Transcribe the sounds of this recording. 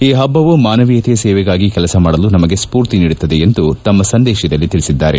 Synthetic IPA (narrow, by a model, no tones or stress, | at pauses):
iːɦɐbːɐʋumaːnɐʋijɐt̪ɛjɐsɛːʋɛɡaːɡikɛlɐsɐmaːɽɐlunɐmɐɡe̞spuːɾt̪iniːɽut̪ːɐd̪e̞ːnd̪ut̪ɐmːɐsɐnd̪ɛːʃid̪ɐlːit̪iɭisid̪ːaːɾe̞̰